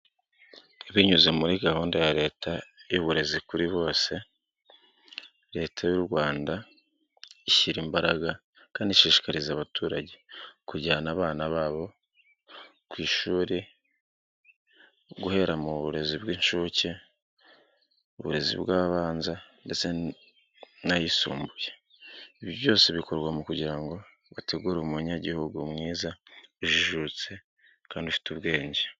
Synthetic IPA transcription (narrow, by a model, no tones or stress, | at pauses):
iβiɲuze̞muɾiɡahuːndajaɾe̞ːtʰajuβuɾe̞zikuɾiβo̞ːse̞ | ɾe̞ːtʰajuɾɡwaːnda | içiɾimbaɾaɡa | kaːndiʃiːʃi̥kaɾizaβatʰuːɾaɟe̞kuɟaanaːβaːnaβaːβo̞ | kwiːʃuːɾi | ɡuhe̞ɾamuβuɾe̞zibɡiːɲʃuːce | oβuɾe̞zḭβɡaːβaβaːnzande̞t͡se̞ | najisṵːmbuje̥ | iβjoβjo̞ːseβiko̞ɾɡwamukuɟiɾaŋɡo̞ | βate̞ɡuːɾumuɲaɟihuɡumŋiːzauʒiʒut͡se̞ | kaːndiufi̥tuβɡe̞ːɲɟe̥